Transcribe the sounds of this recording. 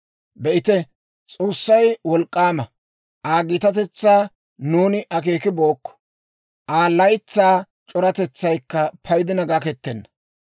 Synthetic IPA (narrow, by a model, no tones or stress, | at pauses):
bɛʔɪt̪ɛ | t͡sʼoːsːɐjwɔlkʼːaːmɐ | ʔaːɡɪt̪ɐt̪ɛt͡sːaː | nuːnɪʔɐk̬eːkɪbo̞ːkːɔ̥ | ʔaːlːɐjt͡sːaː | t͡ʃʼɔɾɐt̪ɛt͡sːɐjkːɐpʰɐjd̪ɪnɐɡakɛt̪ːɛnːɐ̥